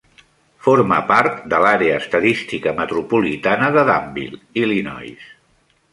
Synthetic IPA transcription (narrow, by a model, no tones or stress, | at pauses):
foɾməpaɾt̪d̪əlaɾeəːst̪əðist̪ikəmət̪ɾupulit̪anəðəðambḭlˠilinɔ̰js